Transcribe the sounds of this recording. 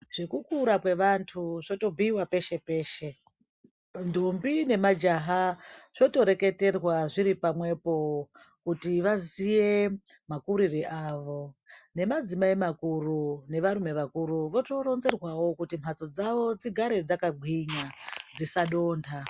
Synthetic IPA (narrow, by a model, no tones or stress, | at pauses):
ʐ̥ekukuɾakwe̞ʋantʰuʐo̞to̞bʱiwape̞ʃe̞pe̞ːʃe̞ | ndʱumbine̞mad͡ʒaɦaʐ̥o̞to̞ɾe̞ke̞te̞rwaʐiɾipamwe̞po̞ | kutiʋazije̞makuɾiriʔaːʋo̞ne̞mad͡zimaimakurune̞ʋaɾume̞ʋakuɾuʋo̞toɾo̞nze̞rwawo̞kutim̤at͡so̞d͡zaʋo̞t͡siɡʱaɾed͡zakaɡʱwiɲad͡zisaɗo̞ːndʰa